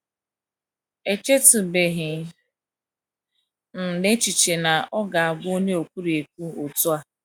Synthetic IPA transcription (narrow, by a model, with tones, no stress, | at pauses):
e˨t͡ʃe˦tʊ˨be˨ɦɪ˨˦ | n̩˨ne˦t͡ʃi˨t͡ʃe˨na˨ʔɔ˦ɡa˨a˨bʊ˦o˦ɲe˦o˨kʷu˦ɾi˨e˨k̚ʷu˦o˨tu˦a˨